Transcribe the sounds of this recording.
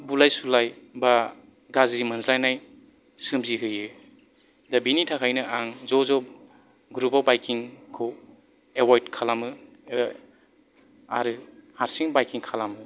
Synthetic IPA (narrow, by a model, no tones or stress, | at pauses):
bulajsulajba | ɡazimɯnzlajnaj | sɯmziɦɯjɯ | dabinitʰakʰajnɯʔaŋzɔzɔ | ɡɾupawbajkiŋkʰɔw | ewajdkʰalamɯ | a̰ɾɯhaɾsiŋbajkiŋkʰalamɯ